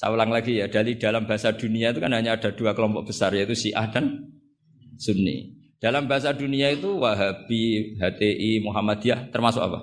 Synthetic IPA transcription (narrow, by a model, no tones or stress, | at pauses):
sa̰wlaŋlaɡijad̥alid̥a̤lambaɦasad̥uniait̪̬ukanɦaɲaːd̥a̤d̥uakəlɔmpɔʔ̚b̥əsarjait̪usiʔa̰hd̥an | sunːḭ | d̥a̤lambaɦasaduniait̪uwaɦab̥iɦat̪eʔimuɦamad̪̥iaht̪ərmasʊka̰pa̰